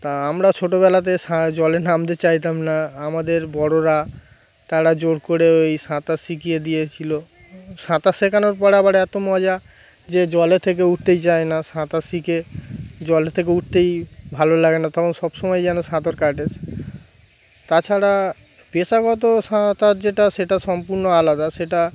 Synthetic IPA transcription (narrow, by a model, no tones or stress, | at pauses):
t̪aamɾat͡ɕʰoʈobɛlat̪̬eʃãd͡ʑɔlenamt̪et͡ɕajt̪amnaamad̪eɾbɔɽoɾa | t̪aɽad͡ʑoɽkoɽeejʃãt̪asikijed̪ijet͡ɕʰilo | ʃãt̪asekʰanoɾpɔɾabaɾɛt̪omɔd͡ʑa | d͡ʑed͡ʑɔlet̪ʰek̬euʈ̚ʰt̪ejt͡ɕaenaʃãt̪asiked͡ʑɔlet̪ʰek̬euʈ̚t̪ejbʱalolaɡenat̪ɔkʰonʃɔbʃɔmɔjd͡ʑɛnoʃãt̪oɾkaʈes | t̪at͡ɕʰaɽa | peʃaɡɔt̪̬oʃãt̪aɾd͡ʑeʈaʃeʈaʃɔmpuɾnoalad̪aʃeʈa